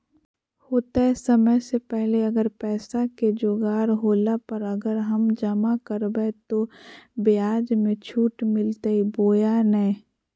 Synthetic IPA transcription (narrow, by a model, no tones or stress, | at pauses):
hoːt̪aɛsəməjsepɛɦleɐɡəɾpɛːsaked͡ʒoːɡaːɾɦoːlapəɾɐɡəɾɦɐmd͡ʒəmakəɾbɛt̪obɪaːd͡ʒmẽt͡ʃʰuːʈmɪlt̪aiboːjanɛ